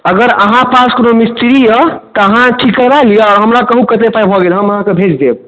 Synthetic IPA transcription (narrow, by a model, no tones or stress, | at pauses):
əɡəɾəɦãpaskonomist̪iɾijət̪ɔəɦãʈʰikəɾalijeɔɾɦəmɾakəɦukət̪epajbʱɔɡelɦəməɦãkebʱed͡ʒd̪eb̚